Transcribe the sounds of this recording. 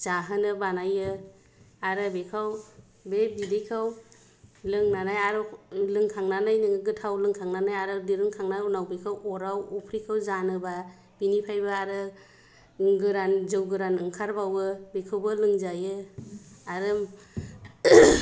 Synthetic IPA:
z̥aɦɯnɯbanajɯ | aɾɯbekʰaw | bebidejkʰaw | lɯŋnanajaɾɯlɯŋkʰaŋnanajnɯŋɯɡɯtʰawlɯŋkʰaŋnanajaɾɯdiɾɯŋkʰaŋnajunawbekʰawɔɾawɔpʰɾikʰawzanɯba | b̥inipʰajbaaɾɯ | ŋɡɯɾanzɯwɡɯɾanɯŋkʰaɾbawɯbekʰawbɯlɯŋzajɯ | aɾɯm

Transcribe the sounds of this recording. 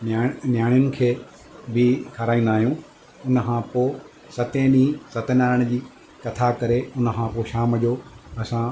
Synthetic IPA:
nːnjaːɽ̃jʊnɪ̆kʰeː | bɪkʰɐɾaːĩnd̪aːɦijũ | ʊnəkʰãpoː | sɐt̪ẽnĩːsɐt̪naːɾəɽ̃d͡ʑiː | kɐt̪ʰakɐɾeʊnə̆kʰãːpoːʃaːmd͡ʑoːɐsã

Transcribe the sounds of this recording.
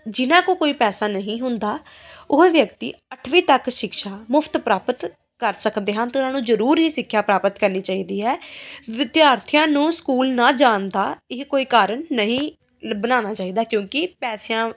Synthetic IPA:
d͡ʒɪnãːkoːkoːiːpɛːsaːnəɦĩːɦʊnd̪aː | ʊʋjəkt̪ḭːəʈʰʋiːt̪əkʃɪkʃaːmʊpʰt̪pɾaːpət̪ | kəɾsəkd̪eːɦənt̪ːʊnãːnũːzəɾuːɾɦiːsɪkʰːjaːpɾaːpət̪kəɾniːt͡ʃaːiːd̪iːɦɛːʋɪd̪jaːɾt̪ʰɪjãːnũːskuːlnaːd͡ʒaːnd̪aːɪkkoːiːkaːɾənːəɦĩː | bənaːnaːt͡ʃaːiːd̪aːkjõːkɪpɛːsejãː

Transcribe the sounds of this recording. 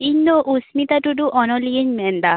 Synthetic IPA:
inːoʔusmit̪aʈuɖuʔɔnɔlijeɲmɛnd̪a

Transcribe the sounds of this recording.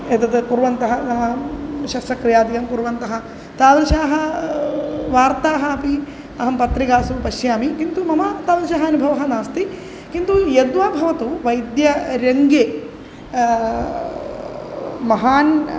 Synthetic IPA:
et̪ɐt̪puɾʋɐnt̪ɐɦɐ | ʃɐsɾɐkɾijaːd̪ikɐmpuɾʋɐnt̪ɐɦɐ̆ | t̪aːʋɐɾʃaːɦɐ | ʋaːɾt̪aːɦɐɐpi | ɐɦɐmpɐt̪ɾikaːsupɐʃjaːmikint̪umɐmaːt̪aːʋɐɾʃaːɦɐɐnubʱɐʋɐɦɐnaːst̪i | kint̪ujed̪ʋaːbʱɐʋɐt̪uʋɐjd̪jɐɾeŋɡeː | mɐɦaːn

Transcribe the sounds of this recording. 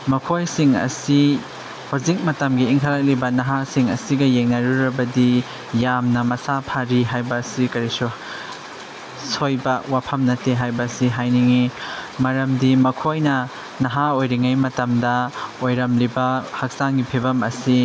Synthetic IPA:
mɐkʰojsiŋɐ̰si | hozik̚mɐtɐmɡiːŋkʰaɾak̚libɐnɐɦasiŋɐ̰siɡɐjeŋnɐɾuɾɐbɐdi | jamnɐmɐsapʰaɾiɦajbɐsikɐɾisu | sojbɐwapʰɐmnɐteɦajbɐsiɦajniŋimɐɾɐmdimɐkʰojnɐ | nɐɦaojɾiŋajmɐtɐmdɐojɾɐmlibɐhak̚saŋɡipʰebɐmɐsi

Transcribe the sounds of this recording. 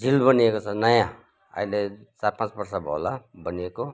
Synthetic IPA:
d͡zʱilbʌniekot͡sʰʌnʌjã | ʌ̰ilet͡saɾpãt͡sbʌrsabʱʌ̰labʌnieko

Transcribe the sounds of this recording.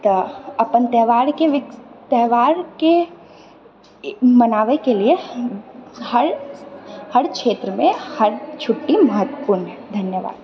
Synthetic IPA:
t̪ɔɐpənt̪ɛːʋaːɾkeʋɪt̪ɛːʋaːɾke | mɐnaːʋekelie | hɐɾ | həɾkʃeːt̪ɾəmẽhɐɾt͡ʃʰʊʈːimɐɦət̪ːəpuːɾnɦɛd̪ʱɐnjəʋa̰ːd̪̚

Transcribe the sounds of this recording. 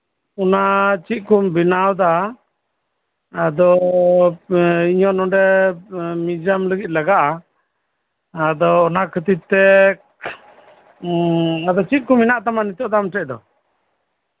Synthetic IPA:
ɔnat͡ʃit̪̚kumbinawd̪a | d̪ɔ | iɲɔnɔɖɛ | mid͡ʒamləɡit̪̚ləɡaʔa | d̪ɔːnakʰət̪it̪ːɛ | ad̪ɔt͡ʃit̪̚kuminaʔt̪amanit̪ɔʔd̪amʈɛʔd̪ɔ

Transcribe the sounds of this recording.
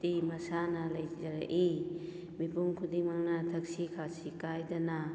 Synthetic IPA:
timɐsanɐlɐjzɐɾa̰ʔi | mipuŋkʰudiŋmaŋnɐtʰɐksikʰasikajdɐna

